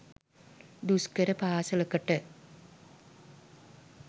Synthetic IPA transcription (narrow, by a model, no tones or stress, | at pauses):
d̪uskəɾəpaːsələkəʈə